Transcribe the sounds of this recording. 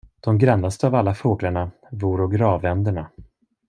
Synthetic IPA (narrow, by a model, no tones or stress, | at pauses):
d̪̥ɔmɡɾanːast̪əavalːafoːɡlaɳa | vuːɾɔɡɾɑːvɛnd̪əɳa